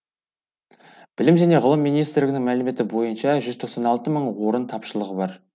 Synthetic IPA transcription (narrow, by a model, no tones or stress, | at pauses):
b̥ɪlɪmʒæne̞ʁʊlˠəmːijnijst̪ɾlɪɡʲɪnɪŋmælɪme̞t̪ɪbo̞jənʃɑʒʏzt̪ʰo̞qsɑnɑlˠt̪əməɴwo̞ɾənt̪ʰɑpʃəlˠəʁəbɑɾ